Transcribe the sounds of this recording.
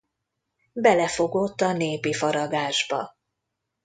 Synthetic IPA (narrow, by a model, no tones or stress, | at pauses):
bɛlɛfo̞ɡo̞t̪ːɒneːpifɒɾɒd̪aːʒbɒ̰